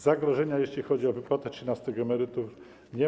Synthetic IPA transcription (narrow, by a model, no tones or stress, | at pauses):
zaɡɾɔʐɛɲajeɕlʲixɔd͡ʑiɔvɘpwat̪ɛtʂɘnast̪ɘɣɡɛmɛɾɘt̪uf | ɲɛ